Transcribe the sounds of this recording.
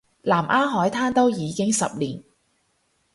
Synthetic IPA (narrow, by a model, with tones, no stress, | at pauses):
laː˨˩mʔaː˥ɦɔː˨˥jt̪ʰaː˥nt̪o˥wjiː˨˧kɪ˥ŋsɐ˨p̚liː˨˩n